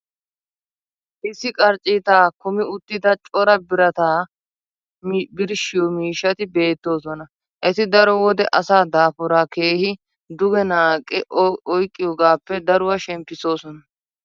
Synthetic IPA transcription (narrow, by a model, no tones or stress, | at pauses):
ʔɪsːɪkʼɐɾt͡ʃʼɪt̪aːkʊmɪʊt̪ːɪd̪ɐt͡ʃʼɔɾɐbɪɾɐt̪aː | bɪɾʃɪjɔmiːʃːɐt̪ɪbe̞ːt̪ːo̞ːsɔnɐ | ʔɛt̪ɪd̪ɐɾɔwɔd̪ɛʔɐsaːd̪aːfʊɾaːke̞ːhɪ | d̪ʊɡɛnaːkʼːɪʔɔjkʼːɪjɔːɡaːpːɛd̪ɐɾʊwɐʃɛmpːɪso̞ːsɔnɐ